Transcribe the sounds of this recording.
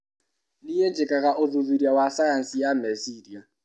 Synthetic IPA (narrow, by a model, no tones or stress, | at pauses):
lijed͡ʒɛkʼaɣaʔʊðuðiɾjawasajan̩sijamɛsiɾia